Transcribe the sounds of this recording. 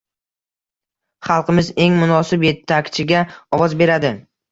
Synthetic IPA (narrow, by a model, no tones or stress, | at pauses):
χɑlˠqʰɨmɪze̞ŋmʊnɒsɪpje̞t̪ʰːakʲt͡ʃʰɪɡʲaɒvɒzbe̞ɾad̪ɪ